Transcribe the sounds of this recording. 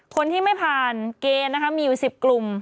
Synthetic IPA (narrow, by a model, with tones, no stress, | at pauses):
kʰo˧nt̪ʰiː˥˩ma˥˩jpʰaː˨˩nkeː˧nː˦˥kʰa˦˥miː˧ju˨˩si˨˩p̚klu˨˩m